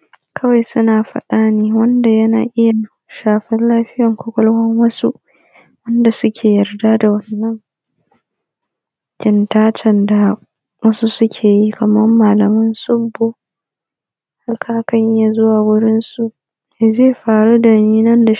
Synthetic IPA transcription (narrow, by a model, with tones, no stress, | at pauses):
kʰɐ˦wa˨jsʊ˦naː˨ɸɐ̰˦ɗaː˦neː˦wɐ˦nda˨jɐ˦na̰ː˨ʔɪ˦ja˨ | ʃaː˨ɸɪ˦nlaː˦ɸɪ˦jɐ˨ŋkʷʊ˦kʷʼɔ˦lhɐ˦ŋwɐ˦su˦ʔ | wɐ˦nda˨sʊ˦kʲʰeː˨jɐ˨rdaː˦da˨wɐ˦nːɐ˦ŋ | kʲɪ˨ntaː˦t͡ʃɐ˨nda˨ | wɐ˦su˦sʊ˦kʲʰeː˨ji˦kʰɐ˨mɐ˦mːaː˨lɐ˨mɐ˦nsʊ˦bːo˦˨ | ha˦lkʰaː˦kɐ˦ɲʔja˨zʊ˦waː˨wʊ˦ɽɪ˦nsu˨ʔ | zeː˦˨ɸaː˨ɽu˦dɐ˨ni˦nɐ˦nda˨